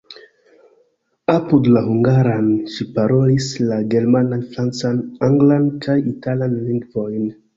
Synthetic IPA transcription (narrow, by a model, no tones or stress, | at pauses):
apudlahuŋɡaɾanʃipaɾolislaɡeɾmananfɾant͡sanaŋɡlankʰajitalanliŋɡvojn